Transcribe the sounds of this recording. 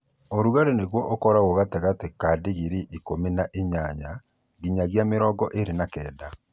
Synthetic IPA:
oɾuɣaɾeneɣwɔʔokɔɾaɣoɣateɣatekaːdeɣiɾiʔikominaʔeɲaɲa | ɣiɲaɣjameɾɔːɡɔʔeɾenakɛːda

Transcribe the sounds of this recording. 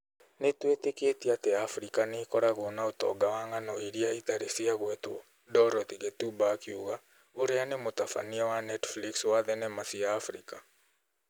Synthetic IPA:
netweteketiateafɾikanekɔɾaɣonaotɔ̰ɡawaŋanɔiɾiaitaɾesiaɣwɛtwo | dɔɾɔtiɣetubakiuɣa | oɾeanemotafa̰niawanɛtflikswaðɛnɛmasiaːfɾḭka

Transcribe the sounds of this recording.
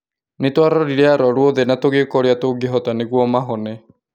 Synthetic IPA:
netwaɾɔɾiɾɛaɾɔɾuɔðɛnatoɣeːkɔɾeatoɡeɦɔtaneɣwɔmaɦɔnɛ

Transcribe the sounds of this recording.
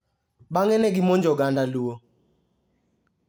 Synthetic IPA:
ɓaŋɛnɛɡimɔnd͡ʒɔɡandaluwo

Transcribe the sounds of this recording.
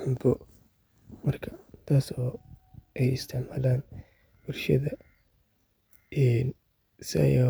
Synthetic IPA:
ħʊmb̪ɔ | mɐrkʰɐ̥t̪ʰaːsɔːɛjɪst̪ʰɪʕmaːlaːn | b̥ʊlʃɐðɐ | ʔɛːn | sɪ̰j

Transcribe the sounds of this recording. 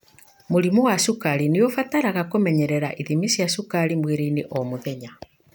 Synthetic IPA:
moɾimowasukaɾineofataɾaɣakomɛɲɛɾɛɾaʔiðimisjasukaɾimweɾeineʔɔmoðɛɲa

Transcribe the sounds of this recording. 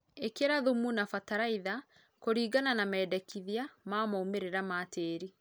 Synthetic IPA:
ekeɾaðumunafataɾaiða | koɾiːɡananamɛːdɛkiðiamamaumeɾeɾamateːɾi

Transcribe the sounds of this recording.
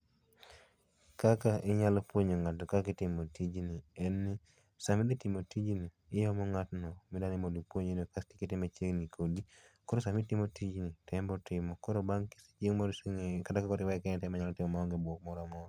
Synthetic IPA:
kakaʔɪɲalɔpwoɲoŋatɔkakɪtɪmotid͡ʒniɛnːɪ | samɪdetɪmotid͡ʒniːjɔmɔŋatnɔmɪdanɪmodipwoɲenokastikitɪmet͡ʃeŋnikʰodikɔɾosamitɪmotid͡ʒnitʰɛmbɔtɪmɔkɔɾobaŋki̥st͡ʃeŋmɔɾskatakakɔɾɪwakɛnɛtɛmaɲalɔtɪmɔmaɔŋɡebwɔk̚mɔɾamɔɾ

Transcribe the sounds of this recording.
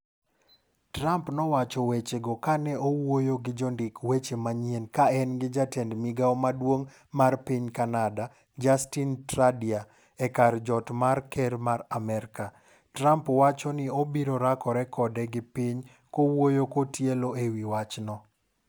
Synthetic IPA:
tɾampnɔwat͡ʃɔwet͡ʃeɡɔkanɛʔowojoɡɪd͡ʒɔndɪkwet͡ʃemaɲenkaɛnɡɪd͡ʒatɛndmiɡaɔmadwoŋ | marpiɲkanada | d͡ʒastintɾadia | ɛkard͡ʒɔtmarkɛɾmaɾamɛɾka | tɾampwat͡ʃɔnɪobiɾoɾakɔɾɛkɔdɛɡɪpɪɲ | kowojokotjeloewiwat͡ʃnɔ

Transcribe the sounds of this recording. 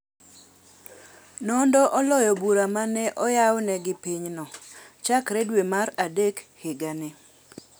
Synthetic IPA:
nɔndɔʔɔlɔjɔbuɾamanɛʔɔjawnɛɡɪpiɲnɔt͡ʃakɾedwemaɾadekhɪɡanɪ

